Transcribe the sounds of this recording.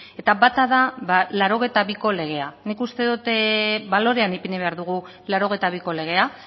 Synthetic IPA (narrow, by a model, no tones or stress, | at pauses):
e̞t̪aβat̪aðaβalaɾo̞ɣ̞et̪aβiko̞le̞ɣ̞e̞anikust̪e̞ðut̪βalo̞ɾe̞anipeniβe̞aɾðuɣ̞u | laɾo̞ɣ̞e̞jt̪aβiko̞le̞ɣ̞e̞a